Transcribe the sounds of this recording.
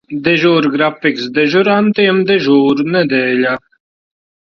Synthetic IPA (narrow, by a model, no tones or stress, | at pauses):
d̪ɛʒoːɾɡɾafɪksd̪ɛʒuɾant̪ijemd̪eʒuːɾnɛd̪eːla